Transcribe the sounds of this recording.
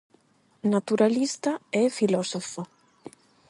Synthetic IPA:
nat̪uɾalist̪aɛfilɔsofo

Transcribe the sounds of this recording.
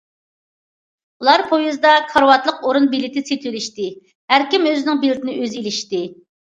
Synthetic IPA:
ulˠɑɾpʰojizd̪ɑkʰɑɾwɑt̪lˠəqoɾunbilɪt̪ʰɪset̪ʰyliʃt̪ɪ | hæɾkʲimøzɪnɪŋbilɪt̪ʰɪnɪʔøzelɪʃt̪ɪ

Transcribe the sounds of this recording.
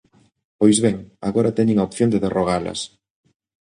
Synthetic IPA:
pojzβɛŋa̰ɣoɾat̪eɲeŋaopθjond̪eðeroɣ̞alɐ̰s

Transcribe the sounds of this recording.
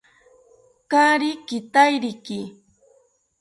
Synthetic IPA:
kaɾikɪt̪ajɾɪkɪ

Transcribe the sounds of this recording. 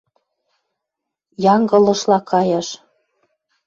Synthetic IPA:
jɑŋɡɤ̆lɤ̆ʃlɑkʰɑjɑʃ

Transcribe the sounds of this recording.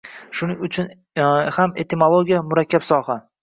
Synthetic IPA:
ʃʊnɪŋʲʊt͡ʃʰʊn | hame̞t̪ʰemolˠoɡʲijamʊɾakʲːapsɒha

